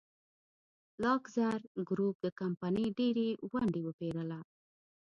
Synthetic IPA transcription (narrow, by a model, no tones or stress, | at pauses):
lɑkzaɾɡɾup̚d̪əkampanəjɖeɾewaɳɖewəpeɾəla